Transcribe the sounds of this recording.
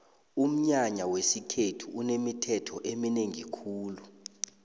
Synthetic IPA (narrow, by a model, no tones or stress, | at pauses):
um̩ɲaɲawesikʰetʰuʔunemitʰɛtʰɔʔemineŋikʰuːlu